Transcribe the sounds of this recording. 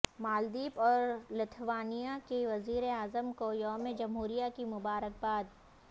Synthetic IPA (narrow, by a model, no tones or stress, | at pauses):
maːld̪iːpɔːɾlɪt̪ʰʋaːnijakeʋɐziːɾeaːzəmkoːjɔːmẽd͡ʒɐmɦuːɾijakimʊbaːɾək̚baːd̪